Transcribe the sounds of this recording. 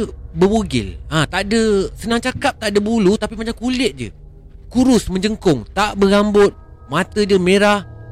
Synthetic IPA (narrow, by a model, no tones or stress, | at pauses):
bəwoɡɪ̰lat̪aʔdəsənaŋt͡ʃakap̚t̪aʔdəbulut̪apimat͡ʃamkulɪʔ̪̚d͡ʒə̰ | kuɾʊsməɲd͡ʒəŋkʊŋt̪aʔbəɡambʊt̪̚mat̪əd͡ʒəmẽɾah